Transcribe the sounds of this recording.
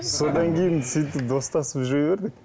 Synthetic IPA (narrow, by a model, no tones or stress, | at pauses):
so̞d̪ɑŋkʲʰe̞jɪnsijt̪̬ɪp̚d̪o̞st̪ɑsəpʒojbe̞ɾd̪ɪk